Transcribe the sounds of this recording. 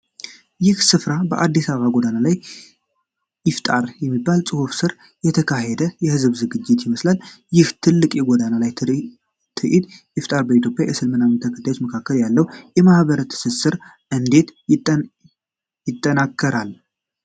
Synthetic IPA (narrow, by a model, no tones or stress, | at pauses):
jɪhsɨfɾabəʔad̪ːisaβəβaɡʷod̪analaj | jɪft̪ʼaɾjɛmːibːalsʼɨhofsɨɾ | jɛt̪ʰəkʰaɦɛd̪əjɛhɨzβzɨɡɨd͡ʒːɪt̪jɪməslaljɪht̪ʰɨlːɨkʼjɛɡʷod̪analaj | t̪ʰɨʔid̪jɪft̪ʼaɾbəit̪jo̞pʼjajɛsɨlmɨnamɨnt̪ʰəkʰə̥t̪ʰːajot͡ʃməkʰakːəljalːəwjɛmahβəɾət̪ʰɨ̥sɨsɨɾ | ʔɨnd̪e̞t̪ | jɪt̪ʼːənakʰːəɾal